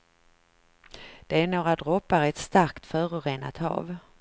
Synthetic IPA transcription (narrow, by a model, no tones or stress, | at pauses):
d̪̥ɛæɾɳoːɾad̪ɾɔpːaɾɛt̪st̪aɾkt̪fœːɾʊɾeːna̰t̪hɑ̰ːv